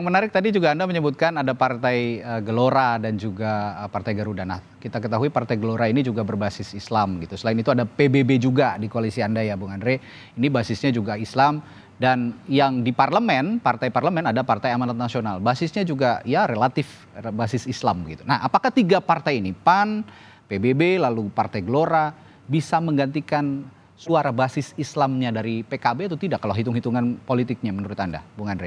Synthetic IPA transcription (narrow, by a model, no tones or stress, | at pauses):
jaŋmənaɾɪk̚t̪adid͡ʒuɡaːndaməɲəbut̪̚kanadapart̪ajəɡəloɾadand͡ʒuɡaəpart̪ajɡaɾudana | kit̪akət̪aɦuipart̪ajɡəloɾainid͡ʒuɡabərbasɪsislamɡit̪usəlaɪnit̪uadapebebed͡ʒuɡadikoalisiandajabuŋanɾe | inibasɪsɲad͡ʒuɡaislam | danjaŋdiparləmɛnpart̪ajparləmɛnadapart̪ajamanat̪̚nasionalbasɪsɲad͡ʒuɡajaɾelat̪ɪf | basɪsislambəɡit̪unahapakaht̪iɡapart̪ajinipan | pebebelalupart̪ajɡloɾa | bisaməŋɡant̪ikan | suaɾabasɪsislamɲadaɾipekabet̪ut̪idakːalaɦit̪ʊŋhit̪uŋanpolit̪ɪk̚ɲamənuɾʊt̪anda̰buŋanɾe